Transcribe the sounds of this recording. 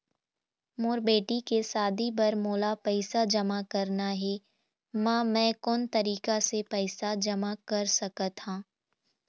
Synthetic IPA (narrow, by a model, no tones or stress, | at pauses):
mʊːɾbeːʈikesaːd̪ʱibɐɾmoːlapɛɪsad͡ʒɐmakɐɾnaɦɛ | mãːmɛ̃ːkɔːnt̪ɐɾiːkasepɛɪsad͡ʒɐmakɐɾsɐkət̪hãː